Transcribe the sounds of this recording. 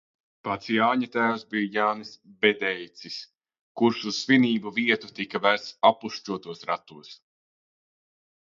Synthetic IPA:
pat̪sjaːɲat̪æːwsbijjaːnɨsbed̪ɛjt̪sis | kuɾʃuz̥sviniːbuviɛt̪ut̪ikavæɾt̪sapuʃt͡ʃuɔt̪uɔsɾat̪uɔs

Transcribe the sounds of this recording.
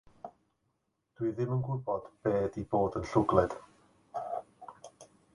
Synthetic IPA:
d̥ʊɨðɪmənɡwʊbɔd̥b̥eːdiboːdənɬʊɡlˠɛd̥

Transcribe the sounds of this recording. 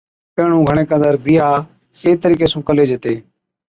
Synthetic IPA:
pẽːɳũːɡʱəɳ̃eːkə̃nd̪əɾbɪːaː | eːt̪əɾiːkeːsũːkəleːd͡ʒet̪eː

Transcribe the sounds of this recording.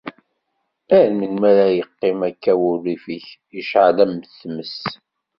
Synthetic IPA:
æɾmənmæɾæjəqːɪmækːæwʊlːifiç | iʃʕalæmθməs

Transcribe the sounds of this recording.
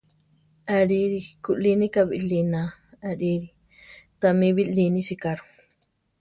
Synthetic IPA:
aɾiɾikuʔlinikabiʔlinaaɾiɾi | t̪amiβilinisikaɾu̥

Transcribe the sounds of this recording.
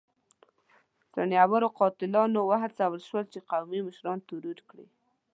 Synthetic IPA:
sa̰njawaɾoqɑt̪ɪlɑnowaɦ̪t͡sawəlʃwəlt͡ʃeqawmiməʃɾɑnt̪uɾuɾkɽḭ

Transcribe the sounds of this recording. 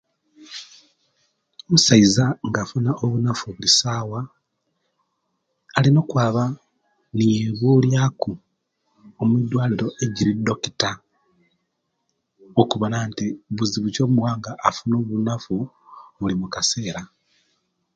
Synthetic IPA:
omusaizaŋɡafunaʔoβunafuβulisaːwa | lino̞ːkwaːβa | nijeβuljaku | omuidwaːliɾo̞ʔe̞ɟiɾido̞ki̥ta | okuβonaːntiβuziβuco̞muwaːŋɡaʔːfuno̞βunafu | βulimukase̞ːɾa

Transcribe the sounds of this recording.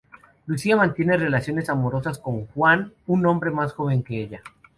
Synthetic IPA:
lusiamãnt̪je̞ne̞re̞lasjo̞ne̞samo̞ɾo̞sasko̞ŋxwanunõ̞mbɾe̞masxo̞βe̞ŋke̞eʎa

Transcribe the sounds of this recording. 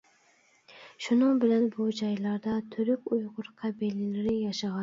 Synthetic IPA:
ʃʊnɪŋbɪlanbʊd͡ʒajlaɾd̪at̪ʰʊɾʊkʲʊjʁʊɾqʰɑbilɪlɪɾɪjaʃaʁɑ

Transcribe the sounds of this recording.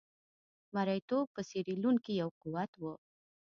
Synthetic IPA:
maɾajt̪opəseɾeluŋkijawquwat̪wə

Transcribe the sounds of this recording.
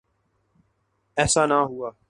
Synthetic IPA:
ɛːsanaɦuaː

